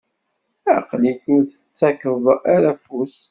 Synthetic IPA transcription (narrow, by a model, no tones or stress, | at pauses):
æqlikʊɾθət͡sːækəðˤaɾæfus